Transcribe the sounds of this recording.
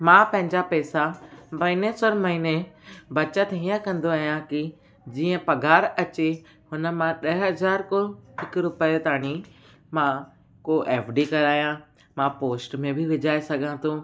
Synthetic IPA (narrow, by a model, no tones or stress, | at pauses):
mãːpɐ̃ɦɪ̃ɲd͡ʑapɛːsabɐɪnesoɾmɐɦinebɐt͡ɕət̪eiːə̃kɐ̃nd̪oaːɦijãki | d͡ʑiːə̃pɐɡʱaːɾɐt͡ɕe | hʊnə̆mãɗɐɦɦɐzaːɾkoɦɪkɾʊpt̪aːɽ̃i | mã | koʔeːfɖikɐɾaːjã | mãpoːsʈmẽbʱɪʋɪd͡ʑʱaːesɐɡʱãt̪ʰõ